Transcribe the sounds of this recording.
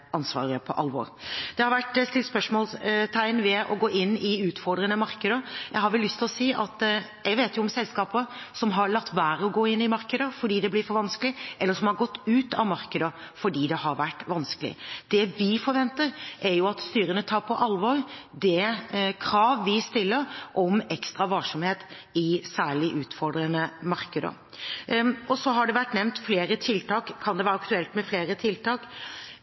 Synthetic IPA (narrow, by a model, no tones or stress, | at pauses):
ʔɑnsʋɑ̰ːɾɪəpʰɔʔɑ̰lʋɔ̰ɾd̪̥ɛhɑɾʋæʈːst̪ɪlspœʂmoːlst̪ʰæɪnʋɛʔɔ̰ɡoːʔɪnːɪʉːt̪fɔɾd̪ɾənəmɑɾkəd̪əjæɪhɑɾʋɛlːʏst̪ʰɪlɔsiːʔɑt̪jæɪɡʋeːt̪jʊɔmsɛlskɑːpəsɔmɦɑɾɭɑkt̪ːʋæːɾəɔɡoːɪnːɪmɑɾkəd̪əfɔɖiːd̪ɛblɪɾfɔɾʋɑnskəlɪʔɛlːəsɔmhɑɾɡɔt̪ːʉːt̪ɑ̰ʋmɑɾkəd̪əfɔɖiːd̪ɛɦɑɾʋæʈːʋɑnskəlɪ̰d̪̥ɛʋɪfɔɾʋɛnt̪əɾʔæɾjʊɑt̪st̪yːɾənət̪ʰɑːɾpʰɔʔɑlʋɔɾd̪ɛkʰɾɑːʋʋɪst̪ɪlːəɾʔɔmɛkst̪ɾɑʋɑlʂɔmheːt̪ | ɪsæːɭɪʔʉːt̪fɔɾɖɾənəmɑɾkəd̪ə̰ | ɔsɔɦɑɖɛʋæʈːnɛʋnt̪fleːɾət̪ʰɪlt̪ʰɑːkʰːɑnd̪ɛʋæːɾəɑkt̪ʉɛlt̪mɛfleːɾət̪ʰɪlt̪ʰɑːk